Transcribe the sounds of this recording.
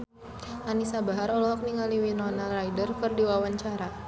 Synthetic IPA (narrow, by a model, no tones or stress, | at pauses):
ʔanisabaɦaɾɔlɔɦɔk̚niŋaliwinɔnarajdərkɨrdiwawaɲt͡ʃaɾa